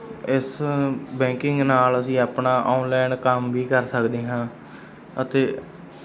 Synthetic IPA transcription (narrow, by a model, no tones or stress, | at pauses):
ɪsbɛ̃ːŋkɪ̃ŋɡnaːləsĩːaːpnaːʔaːnlɛːnkəmʋiːkəɾsəkd̪eːɦãː | ət̪eː